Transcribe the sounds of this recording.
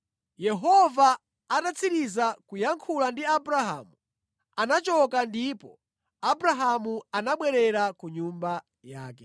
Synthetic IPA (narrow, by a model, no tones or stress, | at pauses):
jɛɦɔvaː | tat͡sʰiɾizakujaŋkʰulandiabɾaɦa̰ːmu | anat͡ʃɔkandipɔ | abɾaɦamuanaɓwɛɾɛɾakuɲumba | jaːkɛ